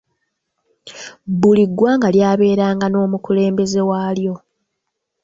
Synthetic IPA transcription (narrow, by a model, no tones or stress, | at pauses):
buliɡːwaːŋɡaljaːβe̞ːɾaːŋɡano̞ːmukule̞ːmbe̞ze̞waːljo̞